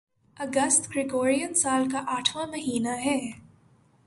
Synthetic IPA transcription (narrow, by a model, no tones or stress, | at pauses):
ɐɡəst̪ɡɾɪɡoːɾijənsaːlkaʔaːʈʰʋãmɐɦiːnaɦɛː